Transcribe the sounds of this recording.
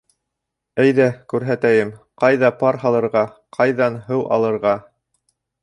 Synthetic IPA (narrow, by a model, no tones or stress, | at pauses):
æjðækʉɾɦæt̪æjɘmqɑjðɑpɑɾɦɑlˠɤ̆ɾʁɑqʰɑjðɑnɦɤwʔɑ̰lˠɤ̆ɾʁɑ